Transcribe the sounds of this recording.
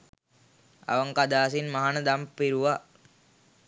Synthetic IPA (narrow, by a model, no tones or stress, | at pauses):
a̰ʋəŋkad̪aːs̬inmaɦanəd̪ampiɾuʋa